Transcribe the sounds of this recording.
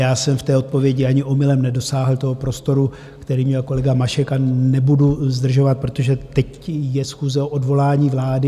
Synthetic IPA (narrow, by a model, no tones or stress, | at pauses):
jaːsɛmft̪ɛːo̞t̪̚po̞vjɛɟɪaɲɪʔo̞mɪlɛmnɛdo̞saːɦl̩t̪o̞ɦopɾo̞st̪o̞ɾu | kt̪ɛɾiːmɲɛlko̞lɛɡamaʃɛkanɛbuduzd̪r̩ʒo̞vat̪̚pɾo̞t̪o̞ʒɛt̪ɛc | jɛsxuːzɛoʔodvo̞laːɲiːvlaːdɪ